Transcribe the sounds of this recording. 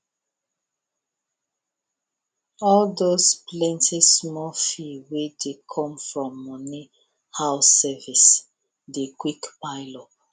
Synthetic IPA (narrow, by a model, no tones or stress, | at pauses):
ɔldosplɛ̃ntʰismɔfiwedekʰɔ̃mfɹɔ̃mːɔ̃ni | haʊsɛvis | dekwikpaɪlɔp̚